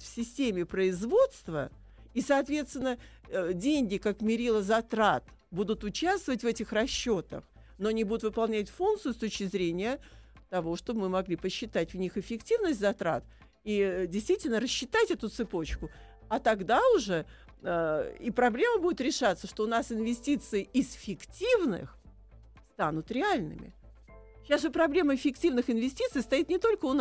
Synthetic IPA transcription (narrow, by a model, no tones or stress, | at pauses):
fsʲɪsʲtʲemʲɪpɾəɪzvo̞t̪st̪və | isɐːt̪vʲe̞t̪st̪vɪnːə | dʲenʲɡʲɪkakmʲɪɾʲilˠəzɐt̪ɾat̪ | bud̪ʊt̪ʊt͡ɕast̪vəvətʲvɛtʲɪxrɐɕːo̞t̪ə̰x | noɐnʲibud̪ʊt̪vɨpɐlˠnʲætʲfunkt̪sɨjʊst̪ot͡ɕkʲɪzɾʲenʲɪjət̪ɐvo̞ʂt̪obmɨmɐɡlʲipəɕːɪt̪atʲvnʲixɪfʲɪktʲivnəsʲt̪ʲzɐt̪ɾa̰t̪ | idʲɪjst̪vʲitʲɪlʲnəɾəɕːɪt̪atʲɛt̪ʊt̪sɨpo̞t͡ɕkʊ | at̪ɐɡd̪aʊʐɛ | əipɾɐblʲeməbudʲɪt̪ɾʲɪʂat̪sːəʂt̪o̞ʊnasɪnvʲɪsʲtʲit̪sɨɪɪsfʲɪktʲivnɨ̰x | st̪anʊt̪ɾʲɪalʲnɨ̰mʲɪ̰ | ɕasʐɨpɾɐblʲe̞məfʲɪktʲivnɨxɪnvʲɪsʲtʲit̪sɨijst̪ɐjit̪nʲɪt̪o̞lʲkəʊn